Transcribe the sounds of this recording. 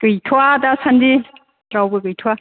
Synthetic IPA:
kɯjtʰuwadasandi | tɾawbɯɡɯjtʰuwa

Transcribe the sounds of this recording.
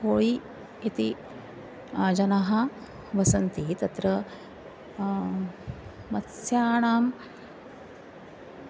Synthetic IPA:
koːɭiː | t̪i | d͡ʒɐnɐɦɐ | ʋɐsɐnt̪it̪ɐt̪ɾɐ | mɐtsjaːɳaːm

